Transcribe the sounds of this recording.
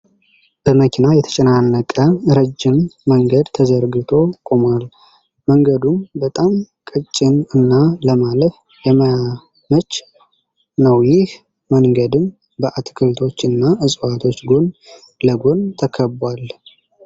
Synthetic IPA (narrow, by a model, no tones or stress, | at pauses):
b̥əməkʰinajɛt̪ʰə̥t͡ʃʼɛnanːəkʼəɾəd͡ʒːɪmːəŋɡəd̪t̪ʰəzəɾɡɨt̪ʰo̞kʼomal | məŋɡəd̪umbət̪ʼamkʼɨt͡ʃʼːɪnɨnːaləmaləf | jɛmə | mət͡ʃː | nəwjɪh | məŋɡəd̪ɨm | bəʔat̪ʰkʰəlt̪ʰo̞t͡ʃːɨnːaʔɨsʼwat̪ʰo̞t͡ʃːɡo̞n | ləɡo̞nt̪ʰəkʰəbwal